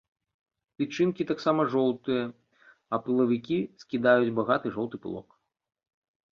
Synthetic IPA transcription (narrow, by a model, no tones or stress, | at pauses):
t̪ʲɨt͡ʂɨnkʲit̪aksamɐʐɔlˠt̪ɨjɐ | ɐpɨlˠɐvʲikʲiskʲid̪ajud͡zʲbaɣat̪ɨʐɔlˠt̪ɨplˠɔ̰k